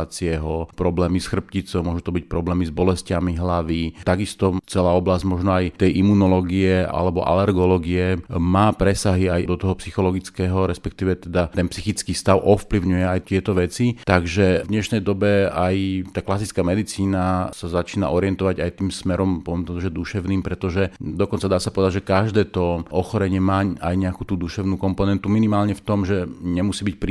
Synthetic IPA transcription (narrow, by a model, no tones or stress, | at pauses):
at͡siɛɦɔpɾɔblɛːmisxr̩p̚cit͡sɔʊmɔʒut̪ɔbic̚pɾɔblɛːmizbɔlɛscamiɦlaʋit̪aɡist̪ɔt͡sɛlaːɔblazɟmɔʒnɔajt̪ɛjʔimunɔlɔɡiɛa̰lɛbɔ̰ʔa̰lɛɾɡɔlɔːɡiɛmaːpɾɛsaɦiajd̪ɔt̪ɔɦɔpsixɔlɔɡit͡skɛːɦɔɾɛspɛk̚t̪iːʋɛt̪ɛd̪at̪ɛnpsixit͡skiːst̪aʊʔɔfpliʊɲujɛajt̪ɪɛt̪ɔʋɛt͡sit̪aɡʒɛvd̪ɲɛʃnɛjd̪ɔbɛajt̪aːklasit͡skaːmɛd̪it͡siːnasazat͡ʃiːna̰ʔɔɾɪɛnt̪ɔʋaɟajt̪iːmsmɛɾɔmpɔʋɛmp̪ɾɛd̪ɔʒɛd̪uʃɛʊniːmpɾɛt̪ɔʒɛd̪ɔkɔnt͡sad̪aːsapɔʋɛd̪aɟʒɛkaʒd̪ɛːt̪ɔʔɔxɔɾɛɲɪɛmaːajɲɛakuːt̪uːd̪uʃɛʊnuːkɔmpɔnɛnt̪uminimaːlɲɛft̪ɔmʒɛɲɛmusiːbic̚pɾi